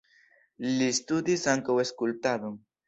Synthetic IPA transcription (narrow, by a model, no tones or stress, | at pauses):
list̪ud̪isaŋkoweskult̪aðʊŋ